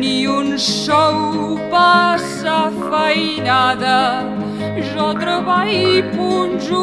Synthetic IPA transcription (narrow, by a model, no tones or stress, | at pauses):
niunsɔwpasɐfəjnaðɐ | ʒɔt̪ɾəβajpunʒu